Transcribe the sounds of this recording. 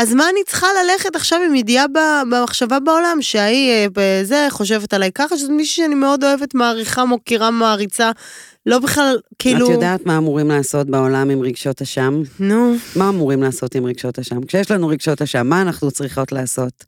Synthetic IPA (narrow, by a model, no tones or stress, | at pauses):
azmaːnit͡sχalale̞χetaχʃavimjediababemaχʃavabao̞lamʃeaibeze̞χo̞ʃ̬e̞vetalajkaχaʃezomiʃu̥ʃeanime̞o̞do̞e̞vetmaːʁiχamokiʁamaːʁit͡sa | lo̞biχlalkiːalutjodaːt̪maːmuʁimlaːso̞tbao̞lamimʁiɡʃo̞thaʃamnuːaːmuʁimlaːso̞timʁiɡʃo̞thaʃamkʃejeɛʃlanuʁiɡʃo̞thaʃamːaːnaχnut͡sʁiχo̞tlaːso̞t